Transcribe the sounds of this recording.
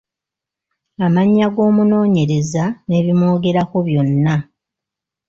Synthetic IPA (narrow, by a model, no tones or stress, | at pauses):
amaɲːaɡo̞ːmuno̞ːɲe̞ɾe̞zane̞ːβimo̞ːɡe̞ɾako̞βjo̞nːa